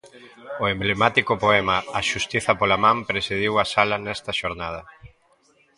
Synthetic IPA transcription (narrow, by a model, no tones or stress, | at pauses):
ʊemblemat̪ikʊpoɛmɐːʃust̪iθɐpolamãmpɾesiðiwɐsalɐnɛst̪ɐʃoɾnað̞ɐ